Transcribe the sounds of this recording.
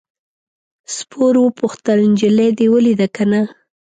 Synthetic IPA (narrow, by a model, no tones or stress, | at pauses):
spʰoɾwəpuxt̪əlnd͡ʒɪled̪ewəlid̪akana